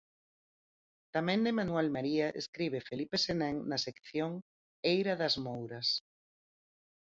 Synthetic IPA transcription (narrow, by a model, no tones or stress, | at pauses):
t̪amɛ̃nd̪ɪmanwɛlmaɾiaʔḛskɾiβ̞efelipesenɛ̃ŋnasekθjoŋ | ejɾaðɐzmowɾɐs